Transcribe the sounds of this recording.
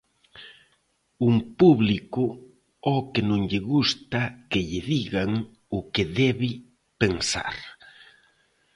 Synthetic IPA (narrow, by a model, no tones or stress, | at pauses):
uŋpuβlikʊ | ɔkɪnõŋʎɪɣust̪akɪʎɪðiɣaŋ | ʊkeðɛβɪ | peŋsa̰ɾ